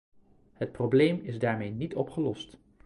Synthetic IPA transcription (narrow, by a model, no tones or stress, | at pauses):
hət̚problejmɪzdaːɹmejnitɔpχəlɔst